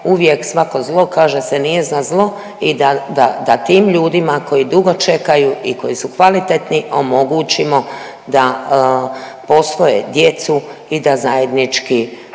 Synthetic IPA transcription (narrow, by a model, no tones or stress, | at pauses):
uʋje̞ksʋako̞zlˠo̞kaːʒesenijeznazlˠo̞ | id̪ad̪ad̪at̪iːmʎuːd̪imako̞jid̪uɡo̞t͡ʃe̞kajuʔiko̞jisukʋalit̪et̪niʔo̞mo̞ɡut͡ʃimo̞ | d̪a | po̞sʋo̞jḛd̪je̞t̪suid̪azaje̞d̪nit͡ʃki